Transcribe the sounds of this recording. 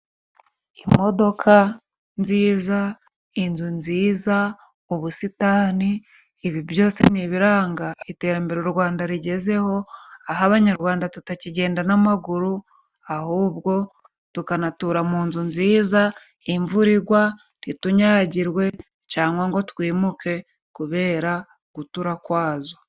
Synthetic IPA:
imo̞do̞kʰa | nziːza | inzunziːza | uβusitaːniː | βivjo̞ːse̞niβiɾaːŋɡaite̞ːɾambe̞ɾoɾɡwaːndaɾiɟe̞ze̞ho̞aɦaβaɲaɾɡwaːndatutaciɟe̞ːndanamaɡuɾu | ahuːβɡo̞ | tukanatuːɾamuːnzunziːza | iɱvuɾiɡwa | nituɲaɾɟiɾwe̞ | caːŋɡwaŋɡo̞tkwiːmuke̞ | kuβe̞ːɾa | ɡ̥utuɾakwaːzo

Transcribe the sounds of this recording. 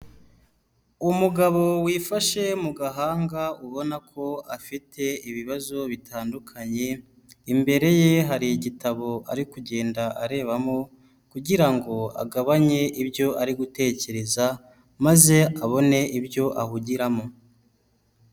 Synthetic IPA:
umuɡaβo̞wiːfaʃe̞muɡaɦaːŋɡauβo̞nakʰo̞afitʰe̞iβiβazo̞βitʰaːndukʰaɲe̞ | imbe̞ɾe̞je̞ɦaɾiɟitaβo̞a̰ɾikuɟe̞ːndaʔaɾe̞ːβamo̞ | kuɟiɾaŋɡo̞a̰ɡaβaɲe̞ʔibjo̞ʔaɾiɡute̞ːce̞ɾe̞za | maze̞aβo̞ne̞ibjo̞ʔahuɟiɾamo̞

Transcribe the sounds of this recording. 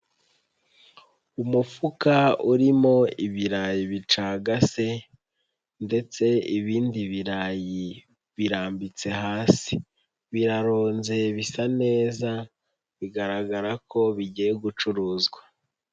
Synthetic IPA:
umufukauɾimo̞iβiɾajiβit͡ʃaːɡase̞ | nde̞t͡se̞iβiːndiβiɾaji | βiɾaːmbit͡se̞ɦaːsi̥ | βiɾaɾoːnze̞βisane̞ːza | βiɡaɾaɡaɾako̞βiɟijeɡut͡ʃuɾuːzɡwa

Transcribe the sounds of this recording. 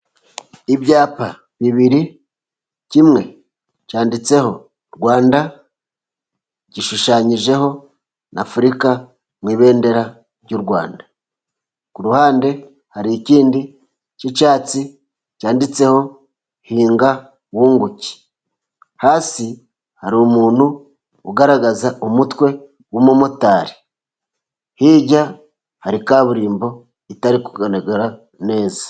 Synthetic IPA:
iβjaːpa | βiβiɾi | cimŋe̞ | caːndit͡se̞ho̞ | ɾɡwaːnda | ɟiʃuʃaɲiʒe̞ho̞ | nafuɾika | mwiːβe̞ːnde̞ɾa | ɾɟuɾɡwa̰ːnda | kuɾuhaːnde̞ | haɾiːciːndi | cit͡ʃaːt͡si | caːndit͡se̞ho̞ | hiːŋɡa | wuːŋɡuci̥ | haːsi | haɾiomuːnhu | uɡaɾaɡazaʔomutwe̞ | womomutaːɾi̥ | hiːɟa | haɾikaβuɾiːmbo̞ | itaɾikuɡaneɡeɾa | ne̞ːza

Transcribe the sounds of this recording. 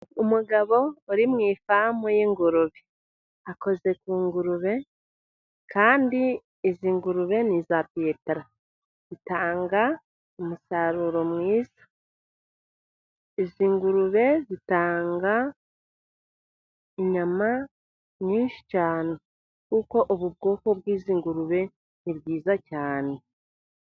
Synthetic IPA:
umuɡaβo̞ːɾimŋiːfamojeːŋɡuɾuβe | ako̞ze̞kuːŋɡuɾuβe̞ | kʰaːndi | eziːŋɡuɾuβe̞nizapeːteɾa | zitaːŋɡa | omusaɾuɾo̞mwiːzḁ | iziːŋɡuɾuβe̞zitaːŋɡa | iɲama | ɲiːnʃi̥caːno | kuko̞ʔoβubɡo̞ːko̞βwiːziːŋɡuɾuβe̞ | niɾɡiːzacaːne̞

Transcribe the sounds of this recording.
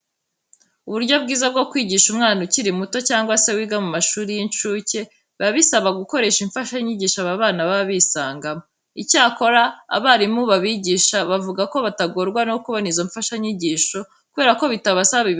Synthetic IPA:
uβuɾɟo̞b̚ɡiːzab̚ɡo̞kwiːɟiːʃumŋaːnuciɾimuto̞caːŋɡwase̞wiːɡamumaʃuːɾijinʃuːce̞ | βaβisaβaɡuko̞ɾe̞ːʃiɱfaʃaɲiɟiːʃaβaβaːnaβaβiːsaːŋɡamo | icaːko̞ɾa̰ːβaɾimuβaβiɟiːʃaβavuɡako̞βataɡo̞ɾɡwano̞kuβonizoɱfaʃaɲiɟiːʃo̞ | kuβe̞ːɾako̞βitaβasaβi

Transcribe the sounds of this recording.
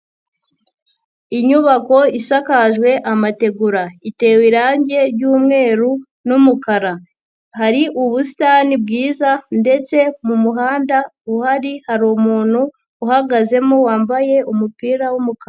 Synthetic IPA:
iɲuβako̞isakaʒɡwe̞ʔamate̞ɡuɾaite̞ːwiɾaːɲɟe̞ɾɟuːmŋe̞ːɾu | numukaɾa | haɾiʔuβusi̥tanib̚ɡiːzande̞t͡se̞mumuɦaːndauhaɾihaɾomuːn̥huː | haɡaze̞mowaːmbaje̞ʔumupiːɾawumukaɾa

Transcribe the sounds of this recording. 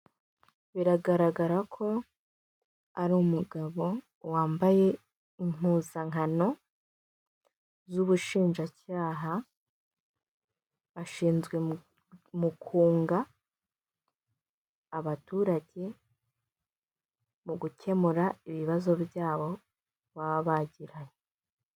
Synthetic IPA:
βiɾaɡaɾaɡaɾakʰo̞ | aɾuːmuɡaβo̞ | waːmbaje̞ | iŋuzaŋano̞ | zuβuʃiːnʒacaːɦa | βaʃiːnzɡwe̞ | mukʰuːŋɡa | βatuːɾaɟe̞ | muɡucʰe̞muɾaiβiβazo̞βjaːβo̞ | βaβaɟiɾaje

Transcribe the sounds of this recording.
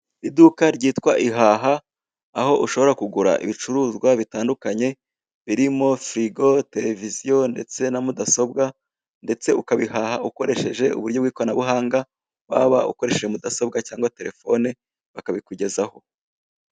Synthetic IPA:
idukaɾɟiːtkwaʔiɦaːɦaː | ho̞ʔuʃo̞βo̞ɾakuɡuɾa̰ʔḭβit͡ʃuɾuːzɡwaβitaːndukaɲe̞ | βiɾimo̞fɾiɡo̞te̞ɾe̞vizijo̞nde̞̰t͡se̞namudaso̞bɡa | nde̞t͡se̞ukaβihahauko̞ɾe̞ʃe̞ʒe̞ṵβuɾɟo̞bɡiːko̞anaβuɦaːŋɡa | wa̰βa̰ṵko̞ɾe̞ʃe̞ʒemudaso̞b̚ɡacaːŋɡwate̞ɾe̞fo̞ne | βakaβikuɟe̞zaho̞

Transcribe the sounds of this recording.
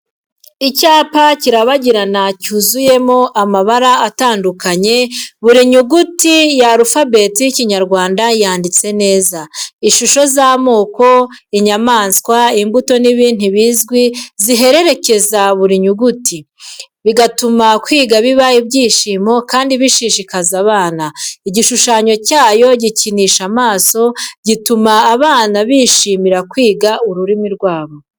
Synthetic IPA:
icaːpaciɾaβaɟiɾanacuːzuje̞mo̞ʔamaβaɾaːtaːndukaɲe̞βuɾiɲuɡutijaɾufabe̞ːtijiciɲaɾɡwaːndajaːndit͡se̞ne̞ːzaiʃuʃo̞zamoːko̞iɲamaːnskwaimbuto̞niβiːn̥huβiːzɡwiziɦe̞ɾe̞ɾe̞ce̞zaβuɾiɲuɡutʰi | βiɡatumakwiːɡaβiβaibɟiːʃiːmo̞kaːndiβiʃiʃikazaβaːnaiɟiʃuʃaɲo̞caːjo̞ɟiciniʃamaːso̞ɟitumaːβaːnaβiʃimiɾakwiːɡaʔuɾuɾimiɾɡwaːβo̞

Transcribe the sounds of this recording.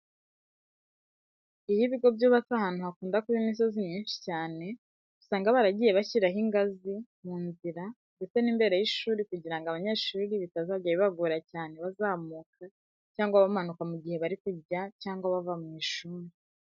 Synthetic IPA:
ijiβiɡo̞bjoβatahaːn̥uhakuːndakuβimis̬o̞ziɲiːnʃi̥caːne̞ | ɡusaːŋɡaβaɾaɟiːje̞βaçiɾaɦiŋɡazimuːnziɾa | ŋɡet͡se̞niːmbe̞ːɾajiʃuːɾikuɟiɾaŋɡaβaɲe̞ːʃuːɾiβitazaaɟaiβaɡuɾacaːne̞βazaːmukʰa | caːŋɡwaβamanukamuɟihe̞βaɾikuɟacaːŋɡwaβavamŋiːʃuːɾi

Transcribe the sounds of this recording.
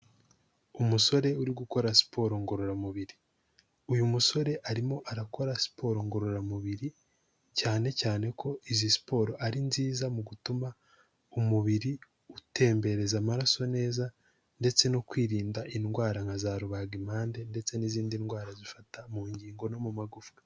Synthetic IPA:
umuso̞ɾe̞uɾiɡuko̞ɾasi̥pʰo̞ːɾoŋɡo̞ɾo̞ɾamuβiɾi | ujumuso̞ɾe̞ʔaɾimo̞ʔaɾako̞ɾasi̥pʰo̞ɾoŋɡo̞ɾo̞ɾamuβiɾi | caːne̞caːne̞kʰo̞izisi̥po̞ːɾoʔaɾinziːzamuɡutuma | umuβiɾi | ute̞ːmbe̞ɾe̞zamaɾaso̞ne̞ːza | nde̞t͡se̞no̞kwiːɾiːndaʔinɡwaːɾaŋazaːɾuβaɡimhaːnde̞nde̞t͡se̞niziːndinɡwaːɾazifatamuːɲɟiːŋɡo̞no̞mumaɡufɡe̥

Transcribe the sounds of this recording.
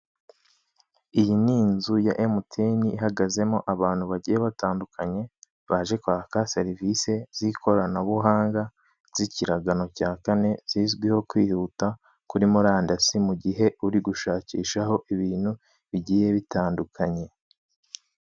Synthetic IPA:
ijiniːnzujaʔemutʰeniːɦaɡaze̞moʔaβaːn̥huβaɟiːjeβataːndukʰaɲe̞ | βaʒe̞kwaːkase̞ɾivise̞z̥ikʰo̞ɾanaβuɦaːŋɡa | z̥iciɾaɡano̞caːkane̞z̥iːzɡwiho̞kwiːhuta | kuɾimuɾaːndasimuɟiɦe̞uɾiɡuʃaːciːʃaɦo̞ʔiβiːn̥hu | βiɟiːje̞βitaːndukʰaɲe̞

